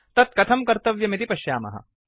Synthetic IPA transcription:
t̪ɐt̪̚kɐt̪ʰɐmkɐɾt̪ɐʋjɐmit̪ipɐʃjaːmɐ̰ɦɐ̰

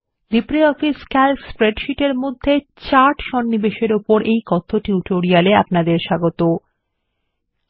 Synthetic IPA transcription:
d̪ipɾiɔfiskɛlspɾeɖʃiʈeɾmod̪ʱːet͡ɕaɾʈʃɔnːibeʃeɾupoɾejkɔt̪ʰːoʈiuʈoɾialea̰pnad̪eɾʃaɡot̪o

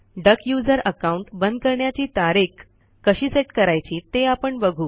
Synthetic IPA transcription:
ɖəkjud͡zəɾəkauɳʈbənd̪̚kəɾɳjat͡ɕiːt̪aɾekː | əɕiːseʈkəɾajt͡ɕiːt̪eapəɳbəɡʱuː

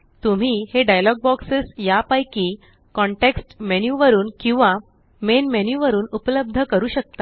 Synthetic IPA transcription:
t̪um̤iːheɖajlɔɡ̚bɔksesjapajkiː | kɔ̃ɳʈeksʈmenjuʋəɾuːnkĩw̃ʋa | menmenjuʋəɾuːnupələb̚d̪ʱəkəɾuːɕək̚t̪a

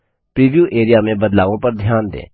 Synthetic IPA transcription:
pɾiːʋjuːʔeːɾɪjaːmẽbɐd̪laːʋõpɐɾd̪ʱjaːnd̪ḛː

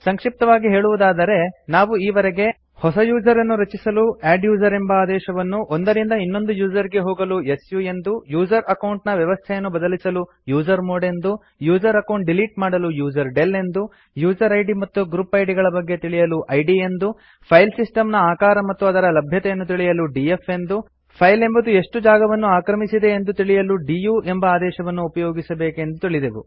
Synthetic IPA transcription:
sɐŋkʂip̚t̪ɐʋaːɡiɦe̞ːɭuʋud̪aːd̪ɐɾe̞naːʋuiːʋɐɾɛɡe̞ | hɔsɐjuːd͡ʒɐɾɐnːuɾɐt͡ʃisɐluæːɖjuːd͡ʒɐɾembɐaːd̪ɛːʃɐʋɐnːuʔond̪ɐɾind̪ɐinːo̞nd̪ujuːd͡ʒɐɾiɡe̞ɦoːɡɐlue̞sjue̞nd̪ujuːd͡ʒɐɾɐkɐwɳʈnɐʋjɐʋɐst̪ʰɛjɐnːubɐd̪ɐlisɐlu | juːd͡ʒɐɾmoːɽe̞nd̪u | juːd͡ʒɐɾɐkɐwɳʈ̚ɖiliːʈmaːɽɐlujuːd͡ʒɐɾɖe̞lːe̞nd̪u | juːd͡ʒɐɾɐjɖimɐt̪ːuɡɾupɐjɖiɡɐɭɐbɐɡːe̞t̪iɭijɐluʔɐjɖie̞nd̪u | pʰɐjlsisʈɐmnɐaːkaːɾɐmɐt̪ːuɐd̪ɐɾɐlɐbʱjɐt̪ɛjɐnːut̪iɭijɐluɖiefe̞nd̪u | pʰɐjle̞mbɐd̪ue̞ʂʈud͡ʒaːɡɐʋɐnːuaːkɾɐmisid̪e̞ːnd̪ut̪iɭijɐluɖijuːʔembɐaːd̪ɛːʃɐʋɐnːuːpɐjo̞ːɡisɐbe̞ːkend̪ut̪iɭid̪eʋṵ

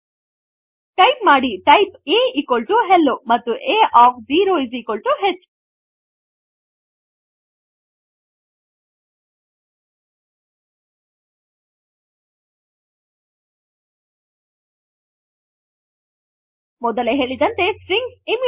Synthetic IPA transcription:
ʈɐjpmaːɽiʈɐjpeːikolʈuɦelːomɐt̪ːuʔeːʔaːk̚ʰziːɾoːizikolʈuɦet͡ʃː | mɔd̪ɐleɦeːɭid̪ɐnt̪e̞sɾiŋɡim

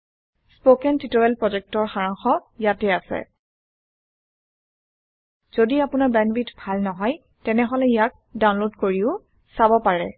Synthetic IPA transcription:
spokɛntitoɹɛlpɹɔzɛk̚tɔɹxaɹaŋxɔjatɛasɛ̰ | z̥odiapʊnaɹbɛnbitbʱalnɔɦɔj | tɛnɛɦɔlɛijak̚dawnlodkoɹiʊ | sabɔpaɹɛ

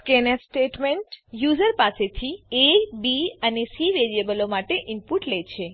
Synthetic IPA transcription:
kenesʈeʈmeɳʈjuzəɾpaset̪ʰiebiənesiʋeɾiəbəlomaʈeʔimpuʈlet͡ʃʰe

